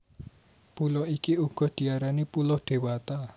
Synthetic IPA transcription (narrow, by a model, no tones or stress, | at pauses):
pulɔikiuɡ̥ɔ̤hd̪̥i̤aɾanipulʊhɖ̪̥e̤wat̪a